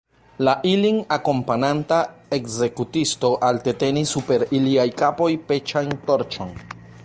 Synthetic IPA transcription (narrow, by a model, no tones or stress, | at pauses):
laʔiliŋako̞mpanantae̞kze̞kutisto̞ʔalte̞te̞nisːupe̞ɾiliajkapo̞jpe̞t͡ʃajnto̞ɾt͡ʃo̞̰n